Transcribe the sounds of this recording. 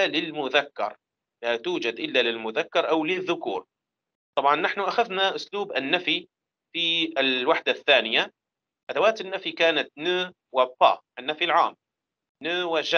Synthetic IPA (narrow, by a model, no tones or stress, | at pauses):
alɪlmʊðakːɑ̰ɾˤ | lat̪uːd͡ʒad̪ʔɪlːalɪlmʊðakːɑɾˤʔawlɪðːʊkṵːɾ | t̪ˤɑbʕɑnːaħnʊʔaxaðnaʔʊsluːbanːafi | fiɪlwaħd̪aθːaːnɪja | ʔad̪awaːt̪ɪnːafikaːnat̪̚nʊː | wapːɑ̰ːʔanːafilʕa̰ːm | nʊːwaʒa